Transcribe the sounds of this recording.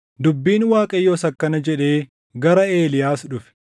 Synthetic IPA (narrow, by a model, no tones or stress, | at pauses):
d̪ʊbːiːnwaːkʼɐjːo̞ːsɐkːɐnɐd͡ʒɛᶑe̞ː | ɡɐɾɐe̞ːlɪjaːsᶑʊfɛ̥